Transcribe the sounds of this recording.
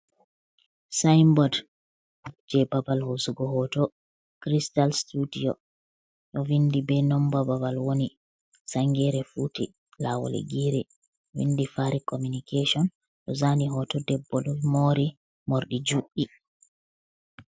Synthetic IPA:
sajmbɔd | d͡ʒɛbabalhosuɡɔhɔtɔ | kɾistalstudijɔ | ɗɔwindibɛnɔmbababalwoni | saŋɡɛɾɛfuti | lawɔ̰lḛɡiːɾɛ | wḭndifaɾikomunikesiɔn | ɗɔzaːniɦɔtɔdɛbːɔɗɔmoɾi | moɾɗid͡ʒuʔi

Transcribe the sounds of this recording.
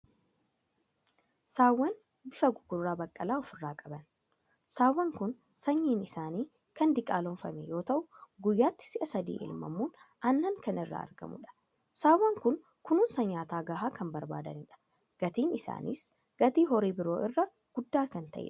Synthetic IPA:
saːwːɐn | bɪfɐɡʊɡʊrːaːbɐkʼːɐlaːɔfɪrːaːkʼɐbɐn | saːwːɐŋkʊn | sɐɲːiːnɪsaːniː | kɐnd̪ɪkʼaːlɔnfɐmɛjo̞ːt̪ɐʔʊɡʊjːaːt̪ːɪ̥sɪʔɐsɐd̪ḭːʔɪ̰lmɐ̰muːnʔɐnːɐŋkɐnɪrːa̰ːɐ̰ɾɡɐ̰mʊ̰ᶑɐ̥ | saːwːɐŋkʊn | kʊnuːnsɐɲːaːt̪aːɡɐɦaːkɐmbɐɾba̰ːd̪ɐnɪᶑɐ̥ | ɡ̥ɐt̪iːnɪsa̰ːnḭs | ɡ̥ɐt̪iːɦɔɾiːbɪɾo̞ːʔɪrːɐ | ɡ̥ʊd̪ːaːkɐnt̪ɐ̰ʔɛ̰ᶑɐ

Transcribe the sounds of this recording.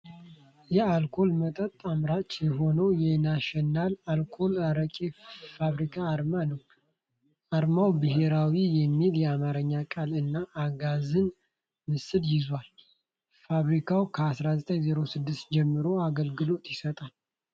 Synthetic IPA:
jɛalkʰo̞lmət̪ʼət̪ʼamɾat͡ʃːjɛɦo̞nəwjɛnaʃɛnːalalkʰo̞laɾəkʼifaβɾikʰaːɾmanəw | ʔaɾmawbɨɦe̞ɾawijɛmːiljɛamaɾəɲːakʼalɨnːaʔːɡazɨn | mɨsɨdjɪzwal | faβɾikʰawkʰəasɾazət̪ʼəɲzeɾo̞sɨd̪ːɨst̪̚d͡ʒɛmːɨɾo̞aɡəlɡɨlo̞t̪jɪsət̪ʼal

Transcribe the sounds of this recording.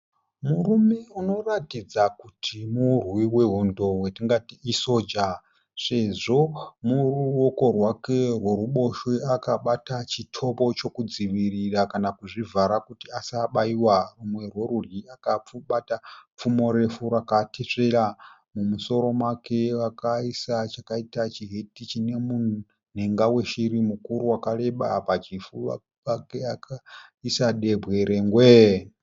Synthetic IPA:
muɾume̞uno̞ratid͡zakutʰimurwiwe̞ɦundo̞wetiŋɡatiiso̞d͡ʒa | ʂe̞ʐo̞muruwoko̞rwake̞rwe̞ɾuɓo̞ʃeakaɓatat͡ʃitʰo̞po̞t͡ʃo̞kud͡ziʋiɾirakanakuʐivaɾakutiasaɓaiwarumwe̞rwe̞ɾurjiakauɓatap͡fumo̞ɾe̞fuɾakatʰeʂe̞ɾa | mumuso̞ɾo̞mwakʰe̞ʋakaisat͡ʃakaitat͡ʃiɦetit͡ʃine̞mu | n̤eŋɡawe̞ʃiɾimukuɾuwakale̞ɓapat͡ʃifua̰ | akeakʰaisaɗe̞bwe̞ɾe̞ŋɡwe

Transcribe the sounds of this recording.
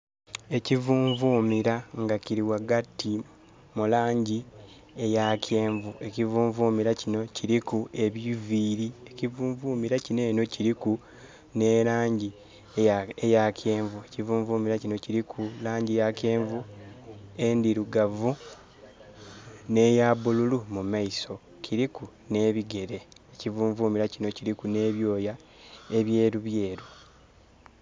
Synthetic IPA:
e̞civuːɱvuːmiɾaŋɡaciɾiwaɡatːi | mulaːɲɟi | e̞jacʰeːɱvue̞civuːɱvuːmiɾacino̞ciɾikue̞βjiviːɾiecivuːɱvuːmiɾacine̞ːno̞ciɾiku | ne̞ɾaːɲɟi | ejakʰe̞ːɱvuecivuːɱvuːmiɾacino̞ciɾikʰulaːɲɟijake̞ːɱvu | e̞ndiɾuɡavu | ne̞ːjabululumumaiso̞ | cʰiɾiku | ne̞ːβiɡe̞ɾe̞ːcivuːɱvuːmiɾacino̞ciɾikune̞ːβjo̞ːja | eβje̞ːɾuβje̞ːɾu

